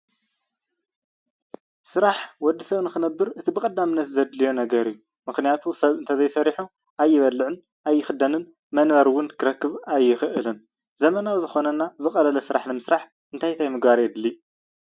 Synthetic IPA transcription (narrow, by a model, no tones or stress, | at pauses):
sɨɾaħwɔd̪ːisɐβnɨxɨnɐbːɨɾʔɨt̪ʰibɨkʼɐd̪ːamɨnːɐt̪zɐd̪lijo̞nɐɡɐɾijːu | mɨxnijat̪ʰusɐβɨnt̪ʰɐzɐjsɐɾiħu | ʔajːɪβɐlːɨʕɨn | ʔajːɪxɨd̪ɐnɨn | mɐnβɐɾwʊnkʰɨɾɐkːɨβajːɪxɨʔɨlɨn | zɐmɐnawzɨxo̞nɐnːazɨxʼɐlɐlɐsɨɾaħnɨmɨsɾaħ | ɨnt̪ʰajt̪ʰajmɨɡbaɾijɛd̪lːi